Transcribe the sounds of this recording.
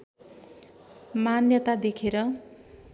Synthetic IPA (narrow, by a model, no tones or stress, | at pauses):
manjʌt̪ad̪ekʰeɾʌ